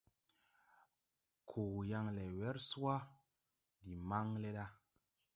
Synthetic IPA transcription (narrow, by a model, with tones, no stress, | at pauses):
kʰo˨ɣja˧ŋlɛ˨wɛ˦ɾsu˦a˦ | di˨ma˦ŋle˦ɗa˦